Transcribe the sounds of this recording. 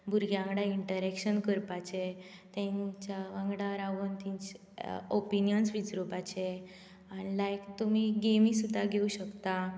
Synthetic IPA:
bʱuɾɡjãŋɡɽaiɳʈəɾɛkɕənkəɾpat͡ɕe | t̪ɛ̃ɲt͡ɕaãŋɡɽaʋəɾaʋənt̪iɲt͡ɕ | opinjənsʋid͡zɾobat͡ɕe | anilajkt̪umiɡemisud̪ʱːaɡʱeuɕəkt̪a

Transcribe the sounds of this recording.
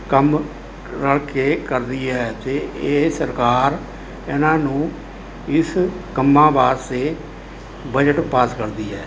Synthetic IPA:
kəm | ɾəɭkeːkəɾd̪iːɦɛːt̪eːʔeːsəɾkaːɾ | ɪnãːnũː | ɪskəmːãːbaːɾseː | bəd͡ʒəʈpaːskəɾd̪iːɛː

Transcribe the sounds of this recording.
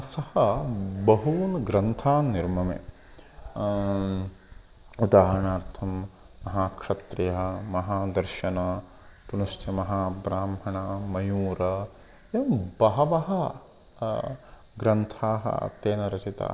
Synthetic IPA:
sɐhɐbɐɦuːnɡɾɐnt̪ʰaːnːiɾmɐmḛ | ud̪aːɦɾɐɳaːɾt̪ʰɐmː | ɐɦaːkʂɐt̪ɾɐjɐɦɐmɐɦaːd̪ɐɾʃɐnɐ | punɐʃt͡ʃjɐmɐɦaːbɾaːmɦɐɳɐmɐjuːɾɐ | jɐmbɐɦɐʋɐɦɐ | ɡɾɐnt̪ʰaːɦɐ̰t̪eːnɐɾɐt͡ʃit̪a̰ː

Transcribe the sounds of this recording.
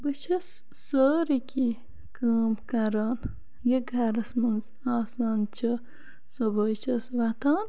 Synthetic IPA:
bɨt͡ʃʰɐsː | əːɾiki | kaːmkɐɾaːn | jeɡʱɐɾɐsmɐnz | aːsaːnt͡ʃʰɐ | soboːjt͡ʃʰɐsʋɐt̪ʰaːn

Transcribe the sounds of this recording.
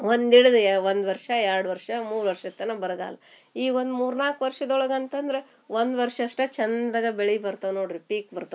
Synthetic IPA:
ond̪iɽd̪uʋond̪ʋɐɾʂɐɛɾɽʋɐɾʂɐmuːɾʋɐɾʂɐt̪ːɐnɐbɐɾɐɡa̰ːlɐiːʋond̪muːɾnaːkʋɐɾʂɐd̪ɔɭɐɡɐnt̪ɐnd̪ɐɾe | ʋond̪ʋɐɾʂɐʂʈɐt͡ʃɐnd̪ɐɡɐbeɭibɐɾt̪ɐʋnoːɖɾipiːk̚bɐɾt̪ɐ

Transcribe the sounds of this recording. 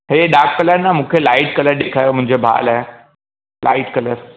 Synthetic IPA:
ɦeɖakːələɾnːamukʰelaɪʈ̚kələɾɖekʰajom̤ʊ̃ɦɪ̃ɲd͡ʑebʱa̰laɦe | la̰ɪʈkələɾ

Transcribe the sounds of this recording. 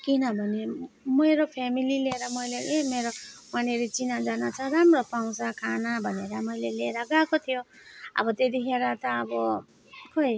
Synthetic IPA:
kinʌbʱʌnemʌjɾopʰemilileɾamʌjleemeɾomaneɾet͡sinad͡zanat͡sʰʌɾamrʌpaw̃sakʰanabʱʌneɾamʌjleleɾaɡakot̪ʰijo | ʌ̰bʌt̪ed̪iɦeɾat̪ʌːbɔ | koj

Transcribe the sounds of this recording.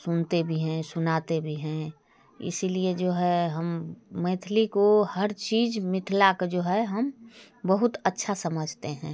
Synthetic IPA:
sʊnt̪ebʱiɦɛ̃sʊnaːt̪ebʱiɦɛ̃ | ɪ̰silied͡ʒoːɦɛɦəmːə̃ɪt̪ʰlikohəɾt͡ʃiːd͡ʒmɪt̪ʰlakd͡ʒoːɦɛɦɐm | bəɦʊt̪ətːʃʰasəməd͡ʒʱt̪eɦɛ̃ː

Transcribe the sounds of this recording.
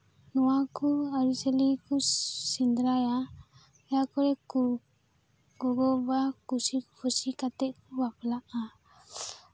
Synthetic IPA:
nuwakuaɾisɛlikusind̪ɾaja | ɛjakɔɾɛku | ɡɔɡɔbakusipʰusikat̪ɛʔkubaplaʔa

